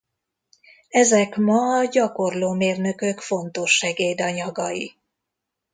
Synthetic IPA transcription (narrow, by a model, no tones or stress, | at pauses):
ɛzɛkmɒːɟɒko̞rloːmeːrnø̞kø̞kfo̞nt̪o̞ʃːɛɡeːd̪ɒɲɒɡɒjḭ